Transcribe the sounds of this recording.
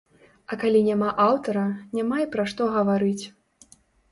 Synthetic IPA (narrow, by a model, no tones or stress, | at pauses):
ɐkalʲinʲamaʔawt̪ɐɾɐnʲamajipɾɐʂt̪ɔɣɐvaɾɨt͡sʲ